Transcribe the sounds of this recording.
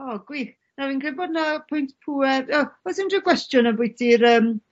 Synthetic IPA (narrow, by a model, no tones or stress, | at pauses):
ɔɡwiːx | naviːnkʰrɪbɔdnapʰʊjntpʰuɛrɔɔsɪndəɡwɛstjʊnəbʊɨtʰiɾəːm